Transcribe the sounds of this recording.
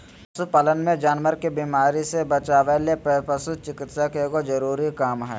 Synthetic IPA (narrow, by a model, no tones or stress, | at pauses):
pɐsupɐlənmẽd͡ʒaːnʋəɾkebiːmaːɾisebɐt͡ʃaːʋeleppɐsut͡ʃɪkɪt̪sakekozɐɾuːɾikaːmɦɛ̰ː